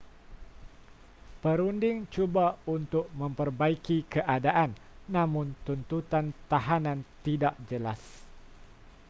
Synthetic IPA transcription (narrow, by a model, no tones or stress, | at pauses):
pəɾundɪŋt͡ʃubaunt̪ʊk̚mə̃mpərbaikikəʔadaʔanː | ãmʊ̃nt̪unt̪ut̪ant̪aɦanãnt̪idaʔ̚d͡ʒəla̰s